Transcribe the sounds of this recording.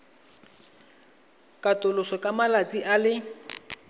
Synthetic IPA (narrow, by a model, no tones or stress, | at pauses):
kʼatʼʊlʊsɔkʼamalat͡sʼiʔalɪ